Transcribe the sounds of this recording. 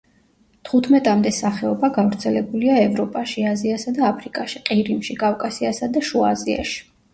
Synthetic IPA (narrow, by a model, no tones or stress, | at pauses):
t̪ʰχut̪ʰmɛt̪ʼamd̪ɛsaχɛɔbaɡavɾt̪sʰɛlɛbuliaɛvɾɔpʼaʃiaziasad̪aːpʰɾikʼaʃiqʼiɾimʃikʼavkʼasiasad̪aʃuazia̰ʃi̥